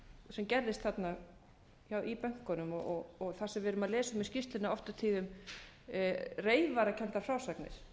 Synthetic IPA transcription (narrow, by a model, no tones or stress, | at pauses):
sɛmcɛɾðɪst̪θat̪na | jaːwʔipœŋ̥kɔnʏmɔɔɣɔɣθḁsɛmvɪɾʏmaðlɛːsʏmiscɪst̪lɪnaɔft̪at̪ʰiːðʏm | reːjvaɾacʰɛnt̪aɾ̥fɾaːwsaknɪ̰ɾ̥